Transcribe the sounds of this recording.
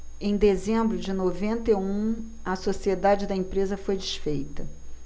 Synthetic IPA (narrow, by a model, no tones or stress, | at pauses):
ẽj̃d̪ezẽmbɾʊd͡ʒɪnovẽnt̪ɐeũ | ɐsosied̪ad͡ʒɪd̪ɐẽpɾezɐfojd͡ʒɪʃfejt̪ɐ